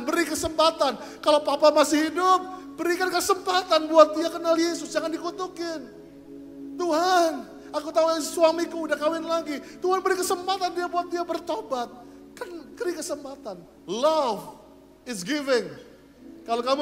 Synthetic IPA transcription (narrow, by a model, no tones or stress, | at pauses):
bəɾikəsəmpat̪an | kalopapamasɪhidʊp̚ | b̥əɾikankəsəmpat̪anbuat̪̚diakənaljesʊsd͡ʒaŋandikut̪ukɪn | t̪uɦan | akut̪auasuamikuːdahkawɪnlaɡit̪uɦanbəɾikəsəmpat̪andiabuat̪̚diabərt̪obat̪̚ | kankəɾikəsəmpat̪an | lav | ɪsɡɪvɪŋ | kalokamu